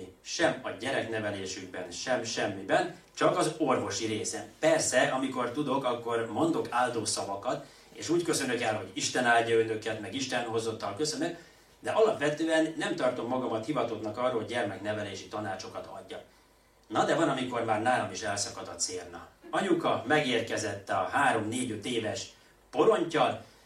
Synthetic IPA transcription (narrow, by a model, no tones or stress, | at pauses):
ʃɛmɒɟɛɾɛknɛvɛleːʃyɡ̚bɛnʃɛmʃɛmːibɛn | t͡ʃɒkɒzo̞rvo̞ʃiɾeːsɛnpɛrsɛɒmiko̞rt̪ud̪o̞kɒkːo̞rmo̞nd̪o̞kʰaːld̪oːsɒvɒkɒt̪ | eːʃuːckø̞sø̞nøkɛlɦo̞ɟiʃt̪ɛnaːlɟɒønø̞kɛt̪mɛɡiʃt̪ɛnho̞zo̞t̪ːɒlkø̞sø̞nøk | d̪ɛʔɒlɒpʋɛt̪øːɛnːɛmt̪ɒrt̪o̞mːɒɡɒmɒt̪hivɒt̪ot̪nɒkɒrːolɦoɟɟɛrmɛkn̪ɛvɛleːʃit̪ɒnaːt͡ʃo̞kɒt̪ɒ̰ɟːɒ | nɒd̪ɛvɒnɒmiko̞rmaːrnaːlo̞miʃɛlsɒkɒd̪ɒt̪seːrnɒɒɲukɒmɛɡeːrkɛzɛt̪ːɛɒhaːɾo̞mneːɟøt̪eːvɛʃ | po̞ɾo̞ɲcɒl